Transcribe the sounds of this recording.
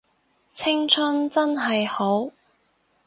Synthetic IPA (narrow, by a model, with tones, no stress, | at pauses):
t͡sʰɪ˥ŋt͡sʰɵ˥nt͡sɐ˥nɦɐ˨jho˨˥w